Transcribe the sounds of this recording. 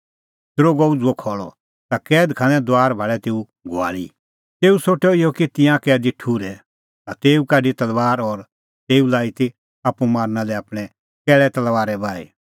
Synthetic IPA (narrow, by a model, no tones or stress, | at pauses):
t̪ɾoɡɔud͡zuɔkʰɔːɭɔ̰ | t̪akɛːd̪kʰanɛ̃d̪oaːɾbʱaɭɛt̪eːu | ɡoa̰ːɭḭ | t̪eːusoːʈɔɪɔkit̪ɪ̃jãkɛːd̪iʈʰuːɾɛ | t̪at̪eːukaɖit̪ɐlʋaːɾɔɾ | t̪eːulaːit̪i | apumaːɾnalɛaːpɽ̃ɛ | kɛːɭɛt̪ɐlʋaːɾɛbaːḭ